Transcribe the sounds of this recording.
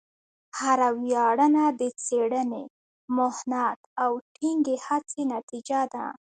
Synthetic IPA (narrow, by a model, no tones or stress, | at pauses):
haɾawjɑɽənad̪ət͡seɽəne | mʊhnat̪awʈʰiŋɡehat͡senat̪id͡ʒad̪a̰